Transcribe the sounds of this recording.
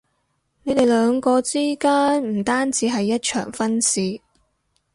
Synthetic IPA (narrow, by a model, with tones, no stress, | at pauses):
ne˨˧jt̪e˨jlœː˨˧ŋkɔː˧t͡siː˥kaː˥nm̩˨˩t̪aː˥nt͡siː˨˥ɦɐ˨jːɐ˥t̚t͡ʃʰœ̰ː˨˩ŋfɐ˥nsiː˨